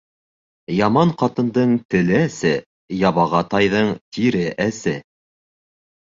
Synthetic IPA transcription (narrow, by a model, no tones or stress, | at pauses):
jɑmɑɴqɑt̪ɤ̆nd̪ɤɴt̪ɘ̆lɘæsɘ | jɑβɑʁɑt̪ɑjðɤɴt̪ʰiɾɘʔæsɘ